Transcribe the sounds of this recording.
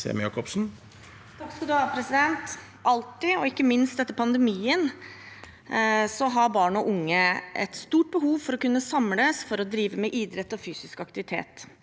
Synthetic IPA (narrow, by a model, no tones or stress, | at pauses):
sḛːmjɑ̰kɔpsn̩ | t̪ʰɑkskʉld̪ʉhɑːpʰɾɛsɪd̪ɛnt̪ | ʔɑlt̪ːɪɔɪkːəmɪnst̪̚d̪ɛt̪ːəpʰɑnd̪əmiːən | sɔɦɑɾbɑːɳəɔʔʊŋːəʔɛ̰t̪st̪uːʈ̚bəɦuːʋfɔɾɔkʉnːəsɑmləsfɔɾɔd̪ɾiːʋəmɛʔiːd̪ɾɛt̪ːɔfyːsɪskɑkt̪ɪʋɪt̪ʰḛːt̪